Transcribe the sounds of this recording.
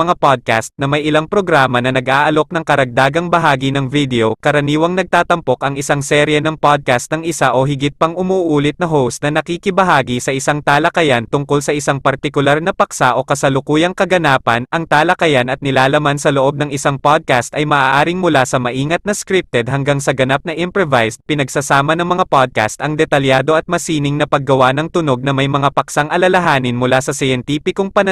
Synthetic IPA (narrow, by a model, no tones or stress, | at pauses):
mɐŋapad̪̚ka̰st̪nɐmɐjʔɪlaŋpɾo̞ɡɾaːmɐnɐnɐɡʔaːʔɐlo̞k̚nɐŋkɐɾɐɡ̚d̪aːɡɐŋbɐɦaːɡinɐŋvid̪ɛokɐɾɐniːwɐŋnɐɡ̚t̪aːt̪ɐmpo̞kɐŋɪsaŋsɛːɾjɛnɐŋpad̪̚kast̪nɐŋʔɪsaʔo̞ɦɪɡɪt̪̚pɐŋʔʊmuːʔuːlɪt̪̚nɐɦowst̪̚nɐnɐkikɪbɐɦaːɡisɐʔɪsaŋt̪aːlɐkɐjant̪ʊŋkolsɐʔɪsaŋpɐɾt̪ɪkʊlaɾnɐpɐksaʔo̞kɐsɐlʊkuːjɐŋkɐɡɐnaːpɐnʔɐŋt̪aːlɐkɐjanʔɐt̪̚nɪlaːlɐmansɐloʔo̞b̚nɐŋɪsaŋpad̪̚kast̪ɐjmɐʔaːʔaːɾɪŋmʊlasɐmɐʔiːŋɐt̪̚nɐskɾip̚t̪ɛd̪̚hɐŋɡaŋsɐɡɐnap̚nɐʔɪmpɹovajspɪnɐɡsasaːmɐnɐŋmɐŋapad̪̚ka̰st̪ʔɐŋd̪ɛt̪ɐljaːd̪o̞ɐt̪̚mɐsiːnɪŋnɐpɐɡ̚ːɐwanɐŋt̪ʊno̞ɡ̚nɐmɐjmɐŋapɐksaŋʔɐlɐlɐɦaːnɪnmʊlasɐsɪjɛnt̪iːpɪkoŋpɐn